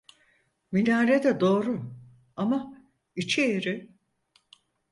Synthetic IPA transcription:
milʲaːɾed̪ɛd̪o̞ːɾʊ | ama | it͡ʃʰijeɾɪ

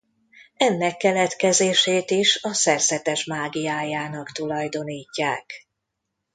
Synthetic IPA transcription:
ɛnːɛkːɛlɛt̪kɛzeːʃeːt̪iʃɒsɛrzɛt̪ɛʃmaːɡijaːjaːnɒkt̪ulɒjd̪o̞niːcːa̰ːk

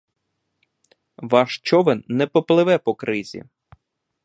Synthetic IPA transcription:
ʋɑʃt͡ʃɔʋɛnnɛpɔplˠɪʋɛpɔkɾɪzʲḭ

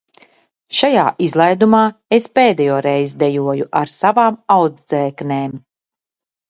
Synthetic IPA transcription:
ʃajaːʔizlˠajd̪umaːespeːd̪ɛjɔːɾɛjzd̪ɛjuɔjuʔaɾsavaːmawd̪zd̪zɛːkneːm

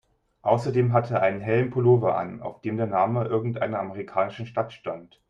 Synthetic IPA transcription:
ʔaʊsɐdeːmɦatʰəːɐʔaɪnənɦɛlənpʰoloːvɐʔa̰na̰ʊfd̥eːmdeːɐnaːməʔɪɐɡŋ̩tʔa̰ɪnɐaməʁikʰaːnɪʃn̩ʃtatʃtant

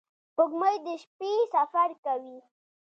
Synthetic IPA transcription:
pʊɡməjd̪əʃpesafaɾkawi

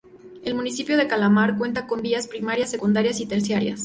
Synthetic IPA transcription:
e̞lmũnisipjo̞ðe̞kalamaɾkwe̞nt̪ako̞nd̪iaspɾimaɾjasːe̞kund̪aɾjasit̪e̞ɾsjaɾja̰s

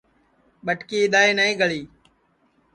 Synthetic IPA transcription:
ɓəʈkiːɪɗ̪aːeːnəẽːɡʱəɭiː

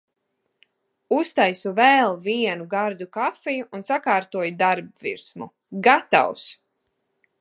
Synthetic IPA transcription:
ust̪ajsuvɛlˠviɛnuɡaɾd̪ukafɛjuʔːnsakaːɾt̪uɔjud̪aɾbvḭɾsmu | ɡat̪a̰ws

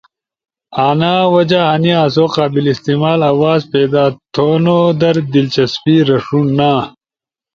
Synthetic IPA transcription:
aːnaːwɐd͡ʑaɦɐniaːs̬oːqaːbilist̪iːmaːlɐwaːzpeːd̪aːt̪ʰoːnoːd̪ɐɾd̪ilt͡ɕɐspiːɾɐʂunːaː

